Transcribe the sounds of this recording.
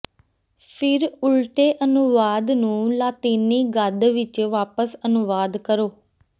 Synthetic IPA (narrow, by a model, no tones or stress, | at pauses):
pʰɪɾʊlʈeːʔənʊʋaːd̪nũːlaːt̪iːniːɡəd̪ʋɪt͡ʃʋaːpəsənʊʋaːd̪kəɾoː